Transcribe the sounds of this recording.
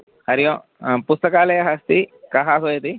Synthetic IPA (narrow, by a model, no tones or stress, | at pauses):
hɐɾijõː | pust̪ɐkaːlɐjɐɦɐst̪ikɐɦaːɦoːjɐt̪i